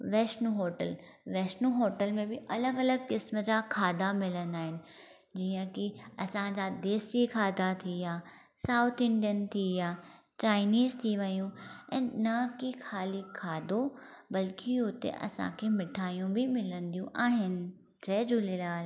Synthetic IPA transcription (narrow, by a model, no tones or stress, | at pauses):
ʋɛːʃnuːɦoːʈəl | ʋɛːʃnuɦoːʈəlmẽbɪʔɐləɡɐləɡ̚kɪsməd͡ʑaːkʰaːd̪amɪlənaːɦɪnɪ̆ | d͡ʑiːə̃kiɐsãd͡ʑad̪eːsikʰaːd̪at̪ʰijaː | saːʊt̪ʰɪ̃ɳɖijənt̪ʰijaː | t͡ɕaːɪniːzt̪ʰiʋɐijũɛ̃ːnɐkixʰaːlikʰaːd̪obɐlkiɦʊt̪ḛʔɐ̰sã̰kʰeːmɪʈʰaːijũbɪmɪlə̃nd̪ijũʔaːɦɪnɪ̆ | d͡ʑɐd͡ʑulelaːl